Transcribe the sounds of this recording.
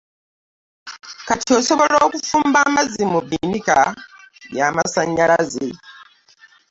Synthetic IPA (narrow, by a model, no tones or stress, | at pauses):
kato̞ːsoβo̞loːkufuːmbaːmazimuβinika | jaːmasaɲːalaze